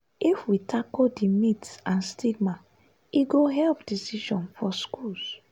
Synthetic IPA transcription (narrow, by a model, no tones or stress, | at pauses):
ifwitʰakodimitsãnstʰiɡ̚ma | iɡoɦɛlp̚d̥isiʃɔ̃nfɔskuls